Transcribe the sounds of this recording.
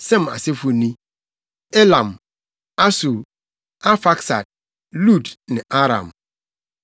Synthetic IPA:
sɛ̃˦ma̰˨se˦fu˨nĩ˦ | e˦lã˨m | a˦su˨ | a˦fa˦ksa̰˨d̚ | lu˦˨dnɪ̃˨ʔa˦ɾã̰˨m

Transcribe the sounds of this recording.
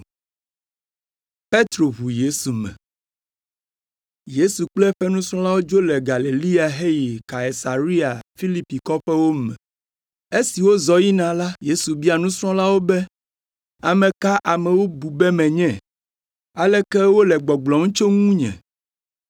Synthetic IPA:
pe˦t̪ɾo˨ɦu˨je˦su˨mɛ̰̃˨ | je˦su˨k͡plɛ˦ɸɛ˦nũ˦sɾ̃ɔ̃˦la˦wo˦d͡ʒo˦lɛ˨ɡa˨le˨li˦a˨ɦe˦ji˨ka˨e˨sa˨ɾi˦a˨fi˦li˦pi˨kɔ˦ɸɛ˦wo˦mɛ̰̃˨ | e˦si˨wo˦zɔ˨ji˦nã˨la˦je˦su˨bi˦a˨nũ˦sɾ̃ɔ̃˦la˦wo˦bɛ˦ | a˨mɛ̃˨ka˦ʔa˨mɛ̃˨wo˦bu˨bɛ˦mɛ̃˨ɲɛ̃˦˨ | a˦lɛ˦kɛ˦wo˦lɛ˨ɡ͡bɔ˨ɡ͡blɔ˨ŋũ˦t͡ʃo˦ŋũ˦ɲɛ̰̃˨

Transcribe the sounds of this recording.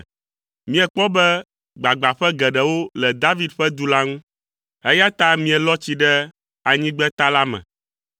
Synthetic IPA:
mĩ˦ɛ˨k͡pɔ˦bɛ˦ | ɡ͡ba˨ɡ͡ba˨ɸɛ˦ɡɛ˨ɖɛ˨wo˦lɛ˨d̪a˦vi˦d̪ɸɛ˦d̪u˨la˦ŋũ˦ | ɦɛ˦ja˦t̪a˦mĩ˨ɛ˨lɔ˦t͡ɕi˨ɖɛ˦ | a˨ɲĩ˦ɡ͡bɛ˦t̪a˦la˦mɛ̰̃˨

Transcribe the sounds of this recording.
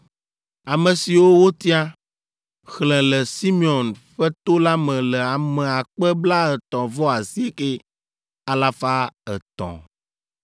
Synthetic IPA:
a˨mɛ̃˨si˨wo˦wo˦t̪i˦a˦ | xlɛ̃˨lɛ˨si˦mĩ˦ɔ˨nɸɛ˦t̪o˦la˦mɛ̃˨lɛ˨a˨mɛ̃˨a˨k͡pɛ˦bla˦ɛ˨t̪ɔ̃˨vɔ˦a˨si˦e˦ke˦ | a˨la˦fa˦ɛ̰˨t̪ɔ̰̃˨

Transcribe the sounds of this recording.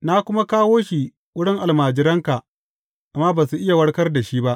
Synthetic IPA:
na˦kʷʊ˦ma˦kaː˦woː˦ʃi˨ | wʊ˦ɽɪ˦ŋʔa˨lmaː˨d͡ʒɪ˦ɾɐ˦ŋka˨ʔ | ʔa˨mːaː˦baː˨su˨ʔɪ˦ja˨wɐ˦ɽkɐ˦rda˨ʃiː˦ba˦ʔ

